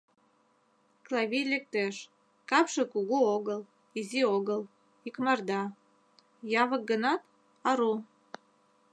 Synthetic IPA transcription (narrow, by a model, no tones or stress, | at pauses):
klɑβʲijlek̚t̪eʃ | kɑpʃekuɣuoɣəl | izioɣəl | ikmɑrd̪ɑ | jɑβək̚ɡənɑt̪ | ɑɾu